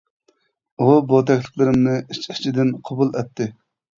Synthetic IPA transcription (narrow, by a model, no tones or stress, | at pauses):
ubot̪ʰɛkʲlˠəqlˠɨɾɪmnɨit͡ʃt͡ʃʰid̪ɪnqʰɑbulˠɛpt̪ʰːɪ